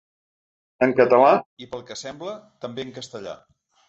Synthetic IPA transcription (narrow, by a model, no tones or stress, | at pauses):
əŋkət̪əlaipəlˠkəsɛmblət̪əmbeəŋkəst̪əʎa̰